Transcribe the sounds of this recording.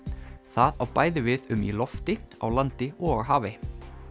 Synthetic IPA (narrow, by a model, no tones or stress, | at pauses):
θaðawpaːjðɪvɪðʏmḭlɔft̪ɪa̰wlant̪ɪɔɣawɦaːvɪ